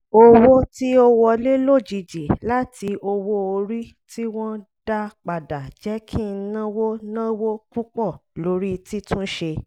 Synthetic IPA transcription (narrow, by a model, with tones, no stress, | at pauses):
o˧wo˦ti˦o˦wɔ˧le˦lo˦˨d͡ʒi˨d͡ʒi˨la˦ti˧˦o˧wo˦o˧ɾi˦ | ti˦w̃ɔ̃˦da˦k͡pa˨da˨d͡ʒɛ˨˦kʰĩ˦˨˧nã˦wo˦nã˦wo˦kũ˦k͡pɔ˦˨lo˨˦ɾi˦ti˦tũ˦ʃe˧